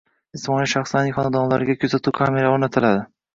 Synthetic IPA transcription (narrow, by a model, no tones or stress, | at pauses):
ɪsmɒniʃaχslanɪχɒnad̪ɒnlaɾɪɡʲakʲʰɵzat̪ʰukʰame̞ɾaoɾnat̪ʰɪlad̪ɪ